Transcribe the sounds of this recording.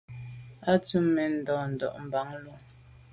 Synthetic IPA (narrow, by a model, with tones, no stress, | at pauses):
a˦tu˦mːe˨n̩˨dɔː˨n̩˨dɔ̰˨ʔm̩˨ba˨˦ŋlu˦